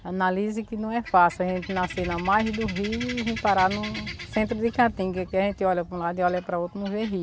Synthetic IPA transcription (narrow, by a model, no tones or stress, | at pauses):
analizikɪnɐ̃w̃ɛfasiɐʒẽnt̪ɪnasinɐmajzd̪uɦiɦũpaɾanʊsẽnt̪ɾʊd̪ikãt̪ĩɡɛkɪɐʒẽnt̪ɪɔlʲɐpũlad̪ɪɔlɐpɾɐot̪ɾmuveɦi